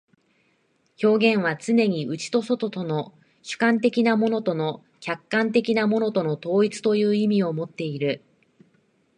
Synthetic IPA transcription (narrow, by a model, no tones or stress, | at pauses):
ço̞ːɡẽ̞ɰ̃β̞at͡sɨne̞ɲ̟iʔɯ̟t͡ɕi̥t̪o̞so̞t̪o̞t̪o̞no̞ | ɕɨ̥kãnt̪e̞kʲinamo̞no̞t̪o̞no̞ | kʲakːãnt̪̬e̞kʲinamo̞no̞t̪o̞no̞t̪o̞ːit͡sɨ̥t̪o̞jɯ̟ːimʲio̞mo̞t̪ːe̞iɾɯ̟